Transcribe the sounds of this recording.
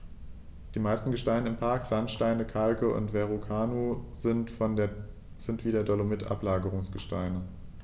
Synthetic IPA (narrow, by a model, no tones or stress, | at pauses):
d̥iːmaɪstn̩ɡəʃtaɪnəɪmpʰaɐkz̥antʃtaɪnəkʰalkəʔʊ̰ntv̥ɛʁokʰaːnozntfɔn | z̥ɪntv̥iːdɐdɔlomɪtʰʔa̰plaːɡəʁʊŋsɡ̥əʃtaɪnə